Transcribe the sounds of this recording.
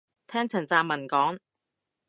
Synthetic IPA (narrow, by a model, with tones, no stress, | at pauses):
t̪ʰɛː˥ŋt͡sʰɐ˨˩t͡saː˧mːɐ˨˩nkɔː˨˥ŋ